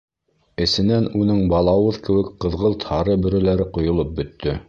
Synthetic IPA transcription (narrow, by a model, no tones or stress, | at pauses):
ɘ̆sɘ̆nænunɤɴbɑlˠɑwɤðkɘ̆wɘkqɤ̆ðʁɤlˠt̪hɑɾɤbɵ̆ɾɘ̆læɾɘqŏjŏlˠɤp̚bɵ̆t̪ːɵ